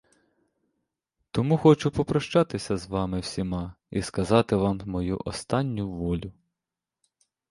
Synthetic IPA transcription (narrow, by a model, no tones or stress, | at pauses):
t̪ɔmuxɔt͡ʃʊpɔpɾɔʃt͡ʃɑt̪ɪsʲɐzʋɑmɪwsʲimɑ | ḭskɐzɑt̪ɪʋɑmmɔjṵʔɔ̰st̪ɑnʲːʊʋɔlʲʊ